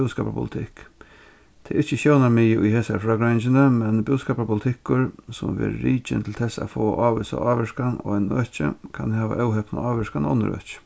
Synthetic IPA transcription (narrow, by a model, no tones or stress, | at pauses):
skaːpa̰pʰʊ̰lɪt̪ʰɪk | t̪ʰɛʔɪht͡ʃəʃɛwnaɾmiːjəʔʊjɦeːsa̰ɾfɾaːɡɾant͡ʃɪnamɛnbʊʊskaːpapʰʊlɪt̪ʰɪkʊɾsʊmʋḛːɾːiːt͡ʃɪ̰nt̪ʰɪlt̪ʰɛsaa̰foːʔaːʋɪsa̰ʔaːʋɪʂkanɔ̰anœːht͡ʃə̰kʰanhɛːʋa̰ʔœwɦɛpna̰aːʋɪʂkanɔ̰nːə̰ɾœ̰ːt͡ʃə̥